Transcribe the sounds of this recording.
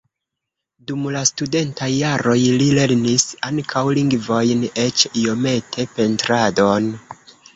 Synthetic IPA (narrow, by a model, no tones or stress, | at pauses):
dumlastude̞ntajːaɾo̞jlile̞ɾnisaŋkʰawliŋɡvo̞jne̞t͡ʃio̞me̞tʰe̞pe̞ntɾadon